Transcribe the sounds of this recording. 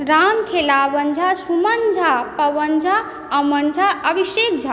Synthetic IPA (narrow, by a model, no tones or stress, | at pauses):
ɾamkʰelabənd͡ʒʱasumənd͡ʒʱapəbənd͡ʒʱa | əmənd͡ʒʱaəbisek̚d͡ʒʱa